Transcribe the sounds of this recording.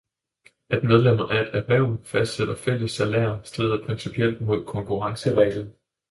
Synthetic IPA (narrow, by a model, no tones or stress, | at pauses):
æd̥með̞ˠlem̰ɐʔæed̥æʋæʊfæsd̥seɾ̥ɐfel̰əsːælæ̰ːɐsd̥ʁeðˠɐpʰʁɛnsipʰiel̰d̥̚mo̝ð̰ˠkʰɒ̽ŋkʰuʁɑ̈ŋsəʁɛːlð̩ˠ